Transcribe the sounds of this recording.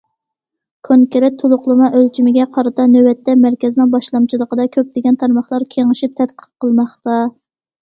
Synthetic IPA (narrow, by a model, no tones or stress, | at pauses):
kʲʰoŋkʲɪɾɛt̪ʰːolˠʊχlˠɨmɑʔølt͡ʃʰimɪɡʲɛqʰɑɾɨt̪ɑnøwɛt̪ʰːɛmæɾkʲɛzɪnɪŋbɑʃlˠɑmt͡ʃʰilˠəqəd̪ɑkʲʰøp̚d̪̥ɪɡʲɛnt̪ʰɑɾmɑχlˠɑɾkʲʰeŋɨʃip̚t̪ʰɛt̪qʰə̥qqʰːəlˠmɑχt̪ɑ